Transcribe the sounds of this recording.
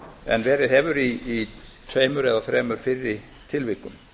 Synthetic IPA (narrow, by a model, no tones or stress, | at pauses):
ɛ̰nvɛːɾɪðɦɛːvʏɾiːt̪ʰveːmʏɾɛðaθɾɛːmʏɾ̥fɪɾːɪ | t̪ʰɪlvɪkːʏm